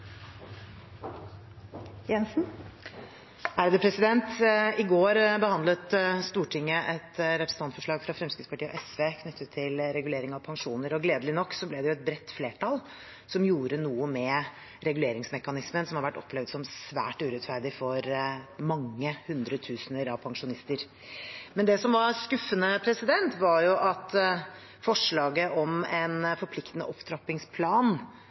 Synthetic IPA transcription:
jɛnsn̩ | æɾd̪əpʰɾɛsɪd̪ɛnt̪ɪɡoːɾbəhɑnd̪lət̪st̪uːʈʰɪŋːəʔɛt̪ɾɛpɾəsn̩t̪ʰɑnt̪fɔʂɭɑːɡfɾɑfɾɛmskɾɪt̪spɑʈiːəɔ̰ʔɛsʋeːkʰnʏt̪ːət̪ʰːɪlɾɛɡʉleːɾɪŋɑʋpʰɑŋʂuːnəɾɔɡleːd̪əlɪnɔkːsɔblɛd̪ɛjʊɛt̪̚bɾɛt̪ːfleːʈʰɑl | sɔmjuːɾənuːəmɛ | ɾɛɡʉleːɾɪŋsmɛkɑnɪsmənsɔmhɑɾʋæʈːɔpʰlɛʋd̪sɔmsʋæ̰ːʈʉːɾɛt̪fæɾɖɪfɔɾmɑŋːəhʉnd̪ɾət̪ʰʉːsənəɾɑʋpʰɑŋʂʊnɪst̪əɾ | mɛnd̪ɛsɔmʋɑɾskʉfːənəpʰɾɛsɪd̪ɛnt̪ʋɑɾjʊʔɑt̪ | fɔʂɭɑːɡəʔɔmɛnfɔɾpʰlɪkt̪ənə̰ʔɔpt̪ʰɾɑpːɪŋspʰlɑːn

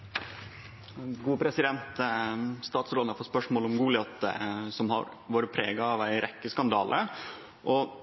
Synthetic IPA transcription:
ɡuːpʰɾɛsɪd̪ɛnt̪st̪ɑːt̪sɾoːd̪ɑɾfot̪spœʂmoːlɔmɡuːlɪɑt̪sɔmhɑ̰ɾ | ʋoːɾəpʰɾeːɡɑɑʋæɪɾʔɛkːəskɑnd̪ɑːlʔə̰ | ʔɔ

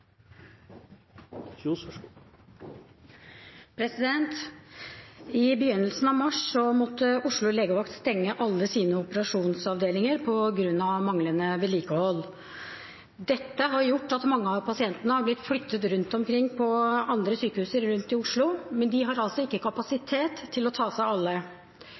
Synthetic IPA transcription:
pʰɾɛsɪd̪ɛnt̪ | ɪbəjʏnːəlsn̩ɑʋmɑʂsɔmɔt̪ːəʊʂɭʊleːɡəʋɑkt̪st̪ɛŋːəʔɑlːəsiːnəɔpəɾɑʂuːnsɑʋd̪eːlɪŋəɾpʰɔɡɾʉnːɑʋmɑŋlənəʋeliːkəhɔlː | d̪ɛt̪ːəɦɑɾjʊʈːɑt̪mɑŋːəɑʋpʰɑsɪɛnt̪ənəhɑɾblɪt̪flʏt̪ːət̪ɾʉnt̪ɔmkʰɾɪŋːpʰɔɑnd̪ɾəsyːkəhʉːsəɾɾʉnt̪ɪʊʂɭʊmɛnd̪ɪɦɑɾɑlsɔɪkːəkʰɑpɑsɪt̪ʰeːt̪ʰːɪlɔt̪ʰɑːsæɪɑlːə

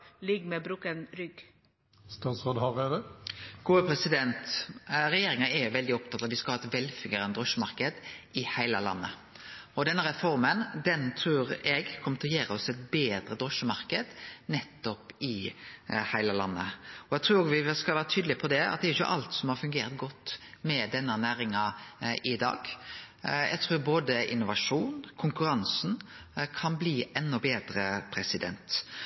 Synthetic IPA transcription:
lɪɡmebɾuːkənɾʏɡ | st̪ɑːt̪sʁoːd̪hɑʁed̪əɡ̥uːəpʰɾɛsɪd̪ɛnt̪ɾɛjeːɾɪŋəɛɾjʊʋɛld̪ɪɔp̚t̪ʰɑt̪ːɑʋd̪ɪskɑhɑɛt̪ʋɛlfʏŋəɾənəd̪ɾɔʃəmɑɾkəd̪ɪhæɪləlɑ̰nːə̰ | ɔd̪ɛnːəɾɛfɔɾmənd̪ɛnt̪ʰɾuːɾɛɡkʰɔmət̪ʰɪlɔjæːɾəɔsɛt̪̚beːd̪ɾəd̪ɾɔʃəmɑɾkəd̪nɛt̪ːɔpɪ | hæɪləlɑnːə̰ɔɛɡ̚t̪ɾʉːɾoːɡʋɪskɑlʋæːɾət̪ʰyːd̪lɪpʰɔd̪ɛɑ̰t̪̚d̪ɛæɾʏçːə̰ʔɑ̰lt̪sɔmhɑɾfʉŋɡeːɾt̪ɡɔt̪ːmɛd̪ɛnːənæːɾɪŋɑɪd̪ɑ̰ːɡ̥ | ɛ̰ɡ̚t̪ʰɾʉːɾboːd̪əʔɪ̰nːʊʋɑʂuːnkʰʊŋkʉɾɑnsn̩ | kʰɑnbliːʔɛnːɔbeːd̪ɾəpʰɾɛsɪd̪ɛ̰nt̪

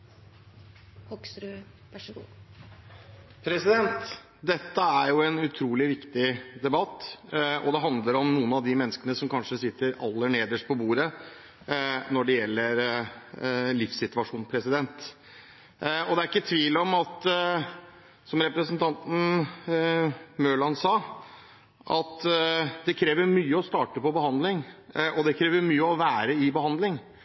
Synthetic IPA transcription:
hɔksɾʉ | ʋæʂɡuː | pʰɾɛsɪd̪ɛnt̪ | d̪ɛt̪ːəæɾjʊɛnʉt̪ʰɾuːlɪʋɪkt̪ɪd̪ɛbɑt̪ːɔ̰d̪ɛɦɑnd̪ləɾɔmnuːənɑʋd̪ɪmɛnːəskənəsɔmkɑnʂəsɪt̪ːəɾɑ̰lːəɳeːd̪əʂpʰɔbuːɾə | nɔɖɛjɛlːəɾ | lɪfsɪt̪ʋɑʂuːnpʰɾɛsɪd̪ɛnt̪ | ɔd̪ɛæɾɪkːət̪ʰʋiːlɔmɑt̪ | sɔmɾɛpɾəsənt̪ʰɑnt̪n̩ | møːɭɑnsɑː | ʔɑt̪d̪ɛkʰɾeːʋəɾmyːəɔst̪ɑːʈəpɔbəhɑnd̪lɪŋʔɔd̪ɛkʰɾeːʋəɾmyːəɔʋæːɾəɪbəhɑnd̪lɪŋ

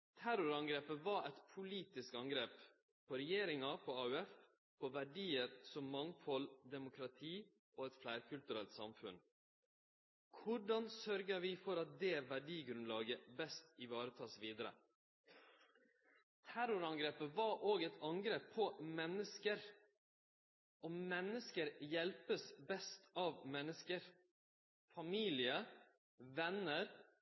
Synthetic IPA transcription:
t̪ʰæɾʊɾɑŋɡɾeːpəʋɑɛt̪pʰʊliːt̪ɪskɑŋɡɾeːp | pʰɔɾɛjeːɾɪŋɑpʰɔɑʉɛf | pʰɔʋæɖiːəɾsɔmːɑŋfɔld̪ɛmʊkʰɾɑt̪ʰiː | ʔoːɛt̪flæɪɾkʰʉlt̪ʉɾɛlt̪sɑ̰mfʉ̰n | kʰʊɖɑnsœɾɡəʋɪːfɔɾɑt̪̚d̪ɛːʋæɖiːɡɾʉnlɑːɡəbɛst̪ɪʋɑːɾət̪ʰɑːsʋiːd̪əɾə̰ | t̪ʰæɾʊɾɑŋɡɾeːpəʋɑʔoːɡɛt̪ʰɑŋɡɾeːpʰɔmɛnəskəɾ | ʔɔmɛnːəskəɾjɛlpəsbɛst̪ʰɑːʋmɛnːəskəɾ | fɑmiːlɪə | ʋɛnəɾ

